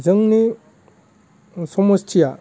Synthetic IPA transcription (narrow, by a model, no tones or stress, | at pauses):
zɯŋni | sɔmɔstʰija